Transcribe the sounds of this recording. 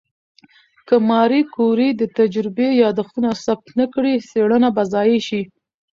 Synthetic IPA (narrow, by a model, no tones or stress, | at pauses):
kəmɑɾikoɾid̪ət̪ad͡ʒɾɪbejɑd̪axt̪unasab̚t̪nəkɽiseɽənabazɑjeʃi